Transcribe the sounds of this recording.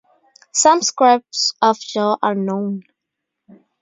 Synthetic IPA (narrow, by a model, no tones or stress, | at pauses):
sʌ̃mskɹɪp̚sɔvd͡ʒɔʔanõʊ̃n